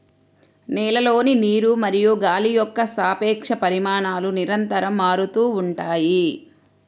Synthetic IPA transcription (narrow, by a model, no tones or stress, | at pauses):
nɛːlɐloːniniːɾumɐɾijuɡaːlijɔkːɐsaːpɛːkʂɐpɐɾimaːnaːluniɾɐnt̪ɐɾɐmːaːɾut̪uːɳʈaːji